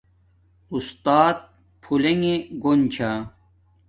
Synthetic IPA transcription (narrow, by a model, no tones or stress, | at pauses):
ust̪aːt̪̚ | pʰuleŋeɡont͡ɕʰa